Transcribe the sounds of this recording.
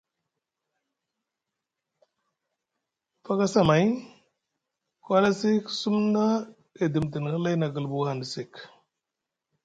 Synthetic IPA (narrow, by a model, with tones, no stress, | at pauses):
fa˦ka˦sa˦ma˨j | kwa˦la˦si˦ksu˦mna˦ | e˨di˨mt̬i˨n˨hə˦la˦jna˨ɡə˨lbu˨ha˨ndsi˨k